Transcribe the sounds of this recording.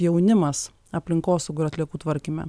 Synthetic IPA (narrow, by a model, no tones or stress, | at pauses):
jɛʊnʲɪmɐs | ɐpʲlʲɪŋkoːsɐʊɡʊɪɾɐt̪ʲlʲiɛkuːt̪ʋɐɾʲkʲimʲɛ̰